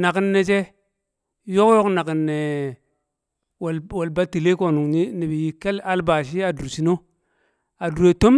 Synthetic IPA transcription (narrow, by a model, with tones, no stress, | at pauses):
na˨ki˦nːe˨t͡ʃe˦ | jo˦kjo˦kna˨ki˨nːe˨ | wlwo˨lba˦ti˨le˦ko˨nu˨ŋni˦ni˨bi˨ji˨ke˦la˦lba˨ʃ̬i˦a˨du˨ɾsi˦no˦ | a˨du˨ɾe˨to˦m